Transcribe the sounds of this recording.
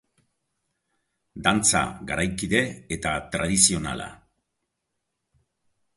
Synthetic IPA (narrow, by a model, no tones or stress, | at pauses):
d̪ant͡sa̰ɣaɾajkiðe̞et̪at̪ɾað̞isio̞na̰la̰